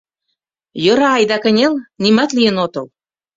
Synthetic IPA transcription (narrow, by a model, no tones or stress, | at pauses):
jɤ̆ɾɑɑjd̪ɑkə̆nʲelnimɑt̪lijə̆not̪ɤ̆l